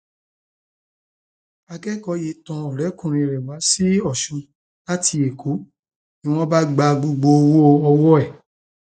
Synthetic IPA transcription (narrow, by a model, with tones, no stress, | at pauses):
a˧ɡɛ˦kɔ˨˦je˨˦tɔ̃˧ɔ˨ɾɛ˨˦kũ˦˨ɾ̃ĩ˧˨ɾɛ˨wa˨˦si˦ɔ˦˨ʃũ˧ | la˦ti˧˦e˨kʰo˨˦ | nĩ˦w̃ɔ̃˦ba˦ɡ͡ba˧ɡ͡bo˧ɡ͡bo˧wo˦˧ɔ˧wɔ˦ɛ˦˨